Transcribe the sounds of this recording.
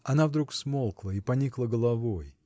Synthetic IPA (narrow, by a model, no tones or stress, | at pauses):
ɐnavd̪ɾuksmolˠklˠəipɐnʲiklˠəɡəlˠɐvoj